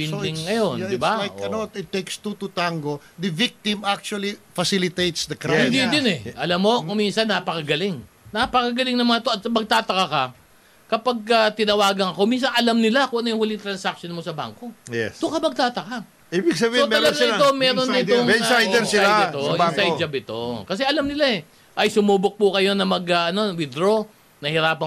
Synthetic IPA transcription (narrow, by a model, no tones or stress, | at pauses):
bɪod̪ɪŋːɐjo̞nɪbaajkɐnot̪ɪt̪ːɛkst̪ut̪ut̪aŋɡod̪ɐvik̚t̪ɪmak̚t͡ʃuɐlifɐsilɪt̪ejt̪sd̪ɐkɾahɪnd̪id̪ɪnɛʔɐlamːo̞kʊminsɐnːaːpɐkɐɡɐlɪŋ | napɐkɐɡɐlɪŋnɐŋmɐŋɐt̪oɐt̪sɐmɐɡ̚t̪aːt̪ɐkakɐ | kɐpaɡ̚kɐt̪ɪnɐwaːɡɐŋɐko̞minsɐnɐlamnɪlakoŋʔɐnojʊŋhʊːlɪŋt̪ɾɐnsak̚ʃonmo̞sɐba̰ŋko̞jɛst̪ʊkɐmɐɡ̚t̪aːt̪ɐka | iːbɪɡsɐbisoɐlɐɡaɪo̞mɛːɾonɪoŋɛajd̪ɛɾsɪlat̪oʔasajd͡ʒɐbɪt̪o̞kɐs̬ɛɐlamnɪlaɛ | ʔɐjsʊmuːbʊk̚pʊkɐjo̞nɐmɐɡɐɐno̞wɪd̪ɾo̞ | nɐhɪɾaːpɐ